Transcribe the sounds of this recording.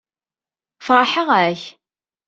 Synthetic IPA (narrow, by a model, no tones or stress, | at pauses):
fɾˤɑħəʁæç